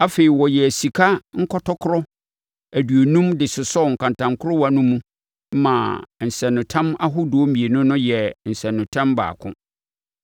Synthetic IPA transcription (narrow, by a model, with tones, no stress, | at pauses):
a˦fe˨ɾi˨wɔ˨jɛ˨æ˨si˨kʰa˦ŋ̩˦kʰɔ˦tʰɔ˦kʰʊ˦ɾɔ˦ | æ˨du˨o˨nũ˦mdɪ˨sʊ˨sɔ˦˨ŋ̩˨kʰã˨ntʰã˨ŋkʰʊ˦ɾʊ˦wa˦nʊ̃˦mũ˦ | mã̰˨n̩˨sɛ̃˨nːʊ̃˨tʰã˦ma˦ɦʊ˦dʊ˨ɔ˦mĩ˨e˨nʊ̃˦nʊ̃˦jɛ˨n̩˨sɛ̃˨nːʊ̃˨tʰã˦mba̰ː˨kʰʊ̰̃˦